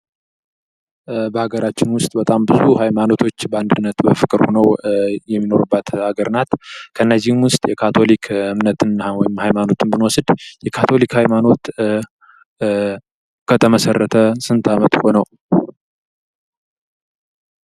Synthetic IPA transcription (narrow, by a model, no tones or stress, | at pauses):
bəhaɡəɾat͡ʃːɪnwʊst̪ʼbət̪ʼambɨzuhajmano̞t̪ʰo̞t͡ʃːbəand̪ɨnːət̪bəfɨkʼɨɾhonəwjɛmːino̞ɾɨbːat̪haɡəɾnat̪kʰəɨnːəzːɪhɨmwʊst̪ʼjɛkʰat̪ʰo̞likʰɨmnət̪ɨnwɔjɪmhajmano̞t̪ʰɨnbɨnwɔsɨd̪jɛkʰat̪ʰo̞likhajmano̞t̪ | kʰət̪ʰəməsərːət̪ʰəsɨnt̪ʰamət̪ho̞nəw